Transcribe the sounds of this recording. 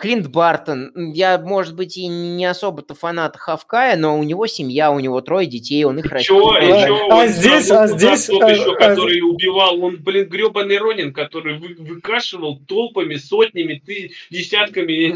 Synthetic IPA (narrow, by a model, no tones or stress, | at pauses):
klʲint̪bart̪ənjamo̞ʐɨt̪̚bɨtʲɪnʲɪɐso̞bət̪əfɐnat̪ə̥xɐfkajəno̞ʊnʲɪvo̞sʲɪmʲjaʊnʲɪvo̞t̪ɾo̞jdʲɪtʲejo̞nɨxrɐooazʲdʲesʲazʲdʲesʲt̪oɕokɐt̪o̞ɾɨjʊbʲɪvalˠo̞nblʲɪnɡɾʲopənɨjɾo̞nʲɪnkɐt̪o̞ɾɨjvɨvɨkaʂɨvəlˠt̪olˠpəmʲɪso̞tʲnʲɪmʲɪt̪ɨdʲɪsʲat̪kəmʲɪ